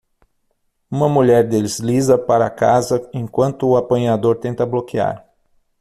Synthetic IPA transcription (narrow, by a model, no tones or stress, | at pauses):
ũmɐmuʎɛɾd̪elɪzlizɐpaɾɐkazɐẽj̃kwɐ̃nt̪ʊːapɐ̃jad̪oɾt̪ẽnt̪ɐblokia̰ɾ